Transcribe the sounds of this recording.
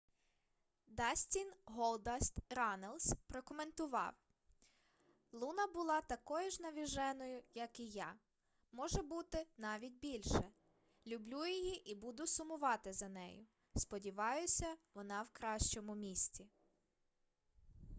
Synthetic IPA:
d̪ɑsʲtʲinɦɔlˠd̪ɐst̪ɾɑnelˠsʲpɾɔkɔment̪ʊʋɑ̰w | lˠunɐbʊlˠɑt̪ɐkɔjʊʒnɐʋʲiʒɛnɔjʊjɐkijɑ | mɔʒɛbut̪ɪnɑʋʲit̚ʲbʲilʲʃɛ | lʲʊblʲujijiʔibud̪ʊsʊmʊʋɑt̪ɪzɐnɛ̰jʊ | spɔdʲiʋɑjʊsʲɐʋɔnɑwkɾɑʃt͡ʃɔmʊmʲisʲt͡sʲi

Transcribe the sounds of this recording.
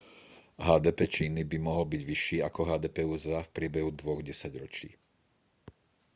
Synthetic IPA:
ɦaːd̪ɛːpɛt͡ʃiːnibimɔɦɔlbiɟʋiʃːiːakɔɦaːd̪ɛːpɛuzafpɾɪɛbɛɦud̪ʋɔɣɟɛsaɟɾɔt͡ʃḭː

